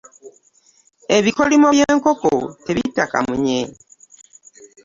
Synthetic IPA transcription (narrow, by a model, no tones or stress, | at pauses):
eβikolimojeːŋkoko̰teβitaka̰muɲe